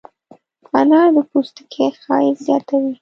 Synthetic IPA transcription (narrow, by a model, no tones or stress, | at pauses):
fanɑd̪əpust̪ə̥kʰexɑ̰jezjɑt̪awi